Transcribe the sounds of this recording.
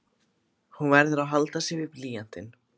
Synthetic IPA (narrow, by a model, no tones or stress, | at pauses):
hunvɛɾðʏɾawɦalt̪asjɛvɪpliːjan̥t̪ɪn